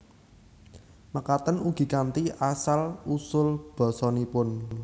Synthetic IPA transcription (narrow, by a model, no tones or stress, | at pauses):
məkat̪ənuɡ̥i̤kant̪iʔasalusʊlb̥ɔ̤sɔnipʊn